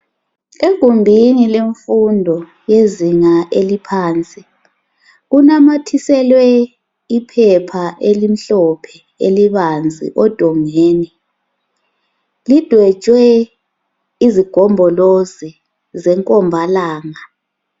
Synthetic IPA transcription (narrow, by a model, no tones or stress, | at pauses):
eɡ̥ʱumbʱinileɱfundʱɔ | jeziŋaʔelipʰaːnt͡sʼi | ɣunamatʰisɛlwɛ | ipʰɛpʰaʔelim̩ɬɔpʰɛ | eliβand͡zʱḭʔɔd̥ʱɔŋeːni | lid̥ʱwɛ̥t͡ʃʼwɛ | iziɡ̥ʱɔmbʱɔlozi | zɛŋkʼɔmbʱalaːŋa